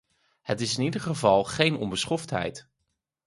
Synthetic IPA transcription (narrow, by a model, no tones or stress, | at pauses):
hətɪsɪnidəɹχəvɑlˠχejnɔ̰mbəsχɔftɦɛ̰jt